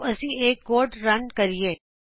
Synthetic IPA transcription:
ɐsĩeːk̚ɡoːɾɖɾɐnkɐɾie

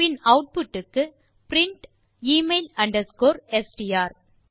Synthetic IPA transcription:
ɪnɐʊʈ̚pʊʈːɯkːɯ | pɾɪɳʈ | iːmeɪlɐɳɖɐɾskoːɾɛsʈijaːɾ

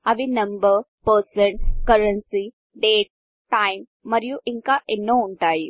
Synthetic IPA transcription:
ɐʋinɐmbəɾ | pəɾsəɳkɐɾənsi | ɖeːʈ̚ | ʈaːimːɐɾjuʔiŋkaʔenːoʊɳʈaːi

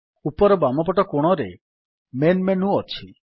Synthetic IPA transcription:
upɔɾɔbamɔp̬ɔʈɔkoɽ̃ɔɾe | menmenũɔt͡ʃʰi

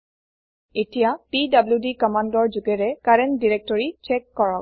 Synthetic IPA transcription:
etijapidabljudikɔmandɔɹzuɡɛɹɛkaɹɛndiɹɛk̚tɔɹit͡ʃɛkːɔɹɔk

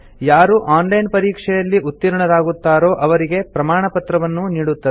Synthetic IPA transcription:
jaːɾuʔaːnlɐjnpɐɾiːkʂɛjɐlːiʔut̪ːiɾɐɳɐɾaːɡut̪ːaːɾo̞ːʔɐʋɐɾiɡe̞pɾɐmaːɳɐpɐt̪ɾɐʋɐnːuniːɽut̪ːɐe

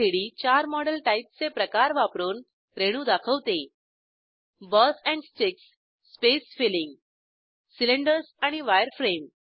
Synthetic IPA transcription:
eɽiːt͡ɕaɾmɔɽəlʈaip̚t͡sepɾəkaɾʋapɾuːn | ɾeɽ̃ũːd̪akʰəʋt̪e | bəsɛ̃ɳɖst͡ɕiksː | pesfilĩŋɡ | sileɳɖəɾsaɽ̃iʋajəɾfɾem

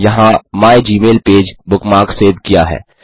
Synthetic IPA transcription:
jɐɦãmaːjd͡ʒiːmeːlpeːd͡ʒbʊkmaːɾkseːd̪kija̰ɦɛ̰ː

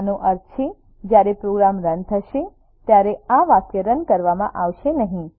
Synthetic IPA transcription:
nõʔəɾt͡ʃʰe | d͡ʒjaɾepɾoɡɾamɾənt̪ʰəʃe | t̪jaɾeaʋakjəɾənkəɾʋamã̰ʔaʋʃenəɦĩ

